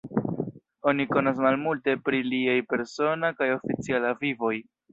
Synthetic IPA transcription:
o̞niko̞nas̬malmulte̞pɾiliajpe̞ɾso̞nakajo̞fit͡sialavivo̞j

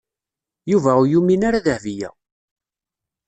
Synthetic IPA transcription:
juvæujuminaɾaðəhvijæ̰

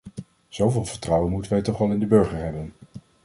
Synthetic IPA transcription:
z̥owvɪːlˠvəɹtrɑwənmutənʋɛjtɔχʋɑlˠɪndəbɵɹχəɹɦɛbən

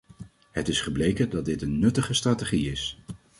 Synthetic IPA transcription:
hətɪsχəblejkədɑt̚dɪtənːɵtəχəstraːteχiɪs

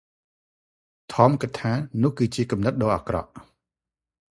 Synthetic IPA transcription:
t̪ʰɑːmkɨt̚t̪ʰaːnʊ̆əhkɨːt͡ɕiəkɑmnɨt̪̚ɗɑːʔakrɑ̰ʔ

